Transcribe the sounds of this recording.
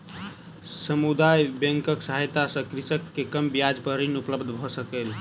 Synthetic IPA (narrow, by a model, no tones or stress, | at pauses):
səmud̪ajbɛ̃ŋkəksəɦajt̪asə̃kɾisəkːekəmbjad͡ʒpəɾinupləbd̪ʱbʱɔsəkel